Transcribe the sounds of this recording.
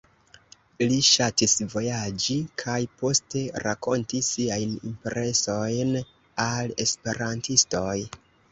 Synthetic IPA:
liʃatisvo̞jad͡ʒikʰajpo̞ste̞ɾako̞ntisːiajnḭmpeɾe̞so̞jn | ale̞spe̞ɾantisto̞j

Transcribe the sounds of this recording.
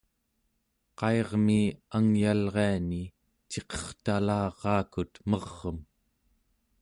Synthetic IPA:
qɑeʁmiaŋjalʁeani | t͡ʃe̞qʌ̥χt̪alɑːʁɑːkut̪mʌʁːəm

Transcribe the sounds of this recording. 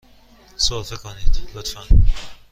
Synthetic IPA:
sofekʰonid̪̥lot̪fæn

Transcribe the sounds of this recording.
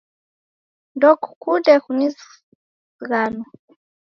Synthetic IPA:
ndɔku̥kudɛkunis | ɣanɔ

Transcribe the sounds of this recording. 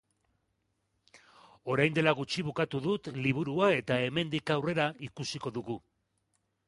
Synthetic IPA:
o̞ɾajnd̪e̞laɣut͡ʃiβ̞ukat̪uðut̪liβ̞uɾuae̞t̪ae̞me̞nd̪ikawre̞ɾaikusiko̞ðuɣu

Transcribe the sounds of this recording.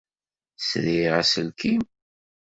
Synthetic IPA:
sɾiʁæsəlkʰim

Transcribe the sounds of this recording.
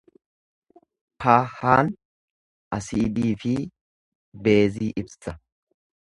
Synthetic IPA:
paːhaːn | ʔɐsiːb̪iːfɪ | be̞ːziːʔɪbsɐ

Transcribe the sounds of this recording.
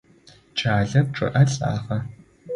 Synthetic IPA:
t͡ʃʰʼaːɮɐp̚ʈ͡ʂʼɨ̰ʔɐɬʼa̰ːχɐ

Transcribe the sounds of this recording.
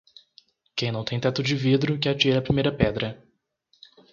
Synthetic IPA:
kẽj̃nɐ̃w̃t̪ẽj̃t̪ɛt̪ʊd͡ʒɪvid̪ɾʊkɛɾt͡ʃiɾɐːpɾimejɾɐpɛd̪ɾɐ

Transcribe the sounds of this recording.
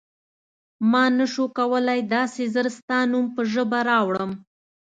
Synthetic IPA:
mɑnəʃokawəlajd̪ɑsezəɾst̪ɑnumpəʒəbaɾɑwɽəm

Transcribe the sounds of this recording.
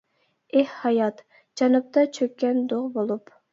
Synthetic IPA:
ehhɑjɑt̪ | d͡ʒɑnɨp̚t̪ɑt͡ʃʰøkʲːɛnd̪oʁbolˠup

